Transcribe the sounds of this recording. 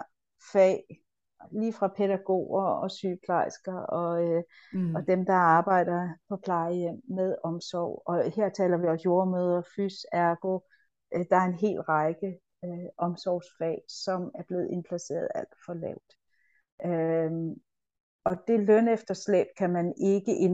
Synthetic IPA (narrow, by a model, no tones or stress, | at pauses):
fɛ̰ː | liːfʁɑ̈pʰeɾæɡ̥o̝̰ːɐɒ̽syːpʰlɑɪsɡ̥ɐɒ̽ | ɒ̽d̥emd̥ɑ̈ɑ̈ːb̥ɑ̈ɪ̰d̥ɐpʰɒ̽pʰlɑ̈ɪəjem̰ːeðˠɒ̽msɒʊ̰ɒ̽he̝ɐ̰t͡sʰɛ̰ːlɐʋiɒ̽mjo̝ɐmøːð̞ˠɐfysæɐɡ̥o̝ | d̥ɑ̈æɐe̝nɦe̝̰ːlʁɑ̈ɪɡ̥ə | øʔɒ̽msɒʊsfɛ̰ːsɒ̽mæɐb̥le̝ːð̩ˠe̝npʰlæse̝̰ːɐð̩ˠæl̰d̥fɒ̽lɛ̰ʊ̰d̥ | ʔø | ɒ̽d̥e̝lœn̰efd̥ɐsleb̥kʰæmæne̝ɡ̥əʔe